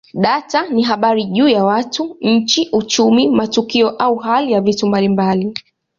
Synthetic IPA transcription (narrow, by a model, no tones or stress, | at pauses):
ɗataniɦaɓaɾiʄuːjawatuɲ̩t͡ʃiʔut͡ʃumimatukiɔʔauɦalijavitumbalimbali